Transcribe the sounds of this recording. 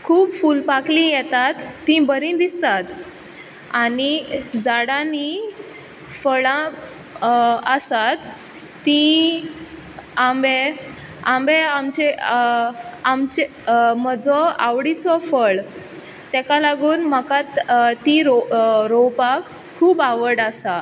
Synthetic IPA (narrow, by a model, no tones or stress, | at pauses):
kʰuːbfuːlpaklĩjɛt̪at̪ːĩbəɾĩd̪ist̪at̪ | anid͡zaɽani | fəɭã | əsat̪ː | ĩ | ambe | ãmbeamt͡ɕe | amt͡ɕe | məd͡zɔa̰ʋɽit͡sɔfəɭ | t̪ɛkalaɡuːnm̤akat̪t̪ĩɾoɾowpakʰː | uːbaʋəɽasa